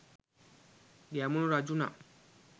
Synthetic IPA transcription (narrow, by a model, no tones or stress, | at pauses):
diamũnũɾad͡ʒunã̰